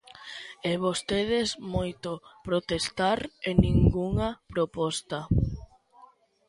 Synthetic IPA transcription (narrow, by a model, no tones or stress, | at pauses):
ɛβost̪eðesmojt̪opɾot̪est̪aɾenĩŋɡuŋɐpɾopɔst̪ɐ